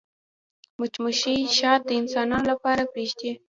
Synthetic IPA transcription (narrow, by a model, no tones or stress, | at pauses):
mʊt͡ʃmʊʃijʃɑt̪̚d̪əɪnsɑnɑnolapɑɾapeʃd̪e